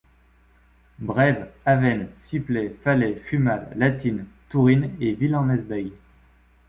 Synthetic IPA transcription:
bʁɛvavɛnsiplɛfalɛfymalːat̪int̪uʁinevilɑ̃nɛzbɛj

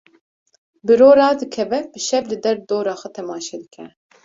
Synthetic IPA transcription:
bɨɾoːɾɑːd̪ɨkʰɛvɛbɨʃɛvlɨd̪ɛɾd̪oːɾɑːxʷɐt̪ʰɛmɑːʃɛːd̪ɨkʰɛ̰

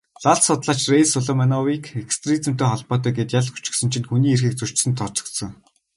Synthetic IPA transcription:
ɮaɮsʊt̪ɮaːt͡ɕrejsʊɮɔmanɔwiːkekst̪riːt͡sɘ̆m̥t̪eːχɔɮpɔːt̪̬œːɡeːt̪jaɮxu̥t͡ɕɪ̆ksɵ̆nt͡ɕʰĭnxuniːerxiːk̚t͡sɵr̥t͡ɕsɘ̆nt̪ʰːɔt͡ɕɞ̆kt̪sɞ̆ŋ

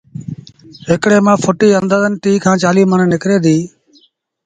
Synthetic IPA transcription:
ɦɪkɽeːmãːpʰʊʈiːənd̪aːd̪ənʈiːkʰãːt͡ʃaːliːməɳnɪkɾeːd̪iː

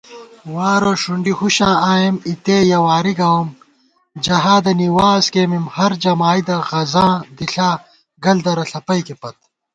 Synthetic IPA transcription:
waːɾoʂuɳɖihuɕãːaːjemit̪ejɐwaːɾiɡɐwɐm | d͡ʑɐɦaːd̪ɐniwaːskeːmimhɐɾd͡ʑɐmaːid̪ɐɣɐzãːd̪iɬaː | ɡɐld̪ɐɾɐɬɐpɐjkepɐt̪̚

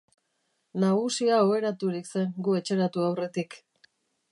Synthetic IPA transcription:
naɣusiaoe̞ɾat̪uɾikse̞ŋɡue̞t͡ʃe̞ɾat̪uawre̞t̪ik

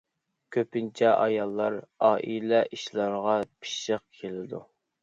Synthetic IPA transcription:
kʲʰøpɪnt͡ʃʰɛʔɑjɑlˠːɑɾɑːʔilɛʔiʃlˠɑɾʁɑpʰi̥ʃəq̚kʲʰelɪd̪u

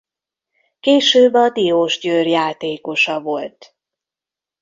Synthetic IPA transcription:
keːʃøːbɒd̪ioːʒɟøːrjaːt̪eːko̞ʃɒvo̞lt̪

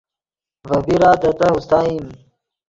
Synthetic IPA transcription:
vɐbiɾaːt̪ɐt̪ɐɦust̪aːim

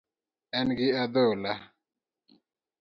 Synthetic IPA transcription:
anɡiad̪ola

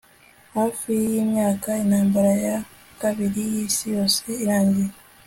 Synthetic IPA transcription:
hafijiːmjaːkaenaːmbaɾaja | kaβiɾijiːsijo̞ːseːɾaːɲɟiɾe

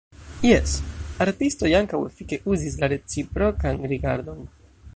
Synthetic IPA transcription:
je̞saɾtisto̞jaŋkawe̞fike̞ʔuzis̬laɾe̞t͡sipɾo̞kanɾiɡaɾdo̞n

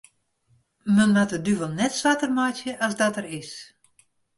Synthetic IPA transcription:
mənʋatədyvəlˠnɛtsʋatərmajtjəʔasdɔtərɪs

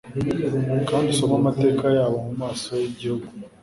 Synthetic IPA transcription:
kaːndiso̞mamate̞ːkajaːβomumaːsojeɟihoɡu

